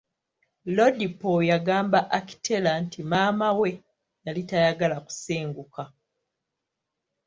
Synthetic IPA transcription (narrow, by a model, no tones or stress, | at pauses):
lo̞dipojaɡaːmbaʔaki̥tʰe̞lantʰimaːmawe̞ | jalitajaɡalaku̥seːŋɡuka